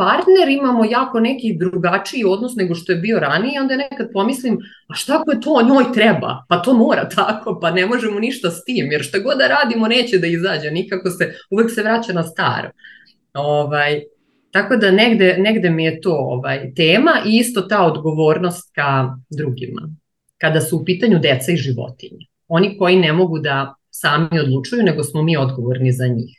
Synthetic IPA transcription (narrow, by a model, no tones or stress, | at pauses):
paɾt̪ne̞ɾimamojaːko̞nekid̪ɾuɡat͡ʂiio̞d̪nosne̞ɡo̞ʃt̪o̞jebio̞ɾanijeo̞nd̪anekad̪̚po̞mislim | aʃt̪akojet̪o̞ːɲo̞ːjt̪ɾɛba̰pat̪o̞ːmoːɾat̪ʰako̞panemoʒemoniʃt̪ast̪iːmjeɾʃt̪aɡo̞d̪d̪aɾaːd̪imone̞ːt͡ɕed̪aizaːd͡ʑenikako̞se̞uʋekse̞ʋɾat͡ɕanast̪a̰ːɾo̰ | oʋaj | t̪ako̞d̪aneɡd̪e̞neɡd̪e̞mijet̪o̞ːo̰ʋajt̪eːmaʔiist̪o̞t̪aːod̪ɡo̞ʋo̞ːɾno̞st̪̚kad̪ɾuɡima̰ | kad̪asuːpiːt̪aɲud̪et̪saiʒiʋo̰t̪iɲe | o̞niko̞jinemo̞ɡud̪a | saːmio̞d̪lˠut͡ʂujuneɡo̞smomiːo̞d̪ɡo̞ʋo̞ɾnizaɲḭːx